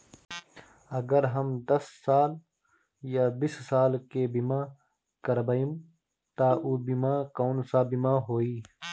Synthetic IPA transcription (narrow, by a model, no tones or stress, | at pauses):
əɡəɾɦəmd̪əsːaːl | jaːbissaːlkeːbimãː | kəɾbaim | t̪aːʔuːbimãːkoːnsaːbɪmaːɦoːiː